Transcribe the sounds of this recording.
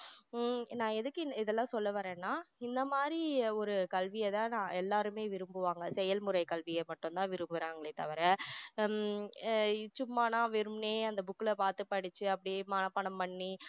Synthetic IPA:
nãːɛðɯkːɯɪðɛlːãːsɔlːɐʋɐɾẽːnːaːɪnd̪ɐmaːd̪ɾiɔɾɯkɐlʋɪjɐt̪ãːnãːɛlːaːɾɯmeːʋɪɾɯmbɯʋaːŋɡɐsɛjɐlmʊɾɐɪkɐlʋɪjɐmɐʈːʊ̃nt̪ãːʋɪɾɯmbɐɾaːŋɡɐɭeːt̪ɐʋɐɾɛ | t͡ʃʊmːaːnãːʋɪɾɯmneːɐnd̪ɐbʊkːɪlɐpaːɾt̪ɯpːɐɽɯt͡ʃːɯɐpːɐɽɪjemaːnɐpːɐɳɐmpɐɳːi

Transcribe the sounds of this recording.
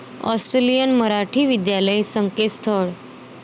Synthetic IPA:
ɔ̰sʈɾelijənməɾaʈʰiːʋid̪jaləjsəŋkest̪ʰəɭ

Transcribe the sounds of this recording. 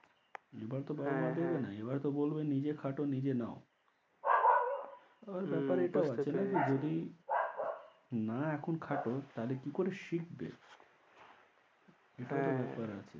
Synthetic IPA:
ebaɾt̪obaɾbmad̪ebenaebaɾt̪obolbenid͡ʑekʰaʈonid͡ʑenao̰ | aaɾbɛpaɾeʈaoat͡ɕʰenakid͡ʑod̪i | naɛkʰonkʰaʈot̪aɦlekikoɾeʃik̚bḛ | eʈaot̪obɛpaɾat͡ɕʰḛ

